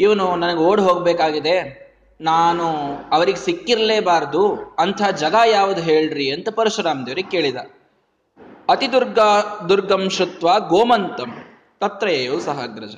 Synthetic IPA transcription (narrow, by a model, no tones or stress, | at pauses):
iʋɐnunɐnɐɡeoːɽɦoːɡbeːkaːɡid̪e̞ | naːnuɐʋɐɾiɡesikːiɾɐleːbaːɾd̪uɐnt̪ʰaːd͡ʒɐɡaːjaːʋud̪uɦe̞ːɭɖɾiɐnt̪ɐpɐɾuʃɾaːmd̪ijɐɾike̞ːɭid̪ɐ | ɐt̪id̪uɾɡad̪uɾɡɐmʃɾut̪ʋaːɡoːmɐnt̪ɐm | t̪ɐt̪ɾɐjeːjɐusɐɦɐɡɾɐd͡ʒɐ